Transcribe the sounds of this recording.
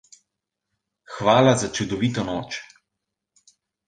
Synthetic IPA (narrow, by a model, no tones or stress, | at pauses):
xʋaːlazat͡ʃud̪ɔʋiːt̪ɔnɔːt͡ʃ